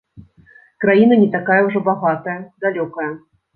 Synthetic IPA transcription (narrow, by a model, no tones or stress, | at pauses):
kɾajinɐnʲɛt̪akajɐwʐɔbaɣat̪ɐjɐd̪alʲɔkɐjɐ